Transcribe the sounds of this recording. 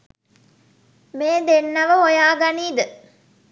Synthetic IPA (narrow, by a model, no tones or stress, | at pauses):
meːd̪enːɐʋəojaːɡɐniːd̪ə